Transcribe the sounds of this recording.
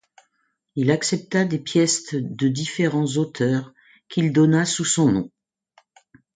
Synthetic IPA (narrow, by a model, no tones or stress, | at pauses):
ilaksɛp̚t̪ad̪epjɛst̪d̪əd̪ifeʁɑ̃zot̪ʰœʁ | kʲild̪ɔnasusɔ̃nɔ̰̃